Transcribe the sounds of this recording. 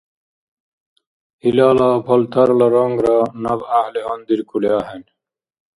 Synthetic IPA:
ilaːlapʰɐlt̪ʰɐɾlɐɾoŋɡɾanɐbahleʌnd̪iɾkʰulaːɦen

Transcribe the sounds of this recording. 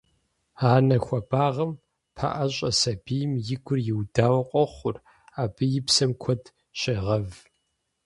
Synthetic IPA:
aːnɐxʷɔbaːʁɐm | pʰa̰ʔɐɕʼɐsɐbijɪmjɪɡʷʊrjɪwdaːwɐqʷʼɔχʷʊr | aːb̥ɨjɪpsɐmkʷʰɔd | ɕeʁɐv

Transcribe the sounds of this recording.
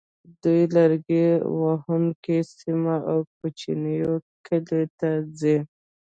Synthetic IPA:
d̪ujlaɾɡewahunkesimaawkut͡ʃinəjokʰəlet̪ad͡ze

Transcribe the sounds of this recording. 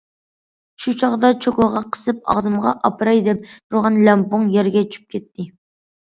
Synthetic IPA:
ʃut͡ʃʰɑʁd̪ɑt͡ʃʰokʊʁɑqʰə̥sɨp̚ɑ̰ʁzɨmʁɑ̰ʔɑpʰɨɾɑjd̪ɛp̚t̪ʰuɾʁɑnlɛmpʊŋjɛɾɡʲɛt͡ʃʰy̥p̚kʲʰɛt̪ːɪ

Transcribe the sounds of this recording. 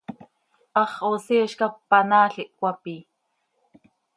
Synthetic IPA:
ʔɑχʔosiːʃkɑpːɑnaːɬiʔkʷapiː

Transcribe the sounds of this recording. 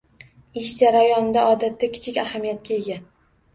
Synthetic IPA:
ɪʃd͡ʒaɾajɒnd̪aʔɒd̪at̪ʰːakʲʰɪ̥t͡ʃʰɪkʲahamijat̪̚kʲae̞ɡʲa

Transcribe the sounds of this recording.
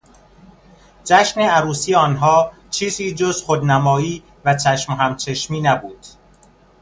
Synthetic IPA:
d͡ʒæʃneæɾuːsiːjeɒːnɦɒː | t͡ʃʰiːziːd͡ʒozxod̪næmɒːiː | væt͡ʃʰæʃmɦæmt͡ʃʰeʃmiːnæbuːd̪̥

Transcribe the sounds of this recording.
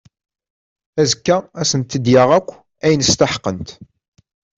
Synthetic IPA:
æzəkːaæsənt̪ːəd̪jaʁækʷː | æjənəst̪aħqːənt̪

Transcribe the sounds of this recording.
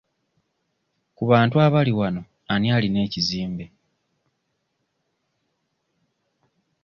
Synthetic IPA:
kuβaːntuaβaliwano̞ | aniaːline̞ːciziːmbe

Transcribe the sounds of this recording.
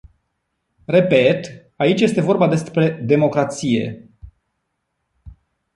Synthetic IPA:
re̞pe̞t̪ | ait͡ʃʲje̞st̪e̞vo̞rbad̪e̞spɾe̞d̪e̞mo̞kɾat̪sije̞̰

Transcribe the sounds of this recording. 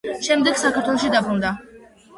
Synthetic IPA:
ʃɛmd̪ɛɡsakʰaɾt̪ʰwɛlˠɔʃid̪abɾund̪a

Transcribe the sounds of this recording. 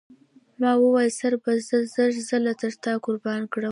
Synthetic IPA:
mɑwəwɑjsaɾbazəzəʐzəlat̪əɾt̪ɑkʊɾbɑnkɽə

